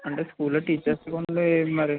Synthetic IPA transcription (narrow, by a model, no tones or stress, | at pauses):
ɐɳʈeːskuːlɐʈiːt͡ʃɐɾskoɳɖumɐɾi